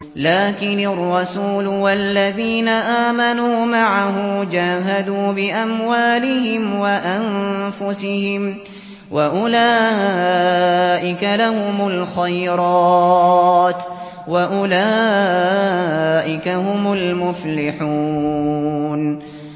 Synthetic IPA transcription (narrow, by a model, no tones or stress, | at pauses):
laːkɪnɪrˤːɑsuːlwalːaðiːnaʔaːmanuːmaʕaɦʊmd͡ʒaːɦad̪uːbɪʔamwaːlɪhɪmwaʔanfʊsɪhɪm | waʔʊlaː | ʔɪkalahʊmʊlxajɾˤɑː | t̪ | waʔʊlaː | ʔɪkaɦʊmʊlmʊflɪħuː | n